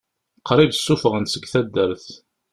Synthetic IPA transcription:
qʰːɾˤiðsːufəʁənsəɡθæd̪ːəɾθ

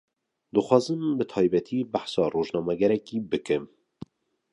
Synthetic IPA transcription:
d̪ɨxwɑːzɨmbɨt̪ʰɑːjbɛt̪ʰiːbaħsɑːroːʒnɑːmɛɡɛɾɛkiːbɨkɨm

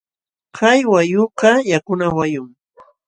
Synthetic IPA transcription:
kʰajwajʊqɑjakʊnawajʊŋ

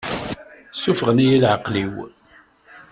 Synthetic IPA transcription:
sufəʁənijilʕəqːliw

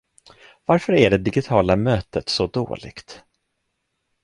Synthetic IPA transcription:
vaɾfœɾæɖɛd̪ɪɡɪt̪ʰɑːlamøːt̪ət̪sɔd̪o̰ːlɪ̰ɡ̥t̪

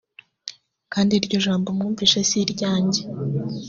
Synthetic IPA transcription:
kaːndiɾɟo̞ʒaːmbomŋuːɱviːʃasiɾɟaːɲɟe

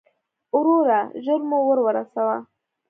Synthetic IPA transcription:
ʊɾoɾaʒoɾmowəɾwəɾasawa

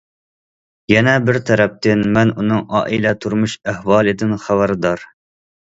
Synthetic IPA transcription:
jɛnɛbɪɾt̪ʰɛɾɛp̚t̪ɪnmɛnunɨŋɑ̰ːʔilɛt̪ʰuɾmuʃæhwɑːlˠɨd̪ɪnχæbæɾd̪ɑɾ

